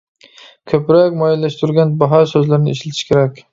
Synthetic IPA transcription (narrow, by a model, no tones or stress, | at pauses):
kʲʰɵpɾakʲmɒjalːaʃt̪ʰʊɾɡʲanbaɦɒsɵzlaɾɪnɪɪʃlat̪ʰɪ̥ʃkʲʰe̞ɾakʲ